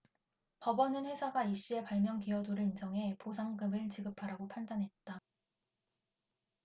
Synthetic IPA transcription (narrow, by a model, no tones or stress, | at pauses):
pʌbʌnɯnɸwe̞sʰaɡaiɕ͈ie̞paɭmjʌŋkiʌduɾɯɭind͡ʑʌŋɦe̞posʰaŋɡɯmɯɭt͡ɕiɡɯpʰaɾaɡopʰandanɦe̞t̚t͈a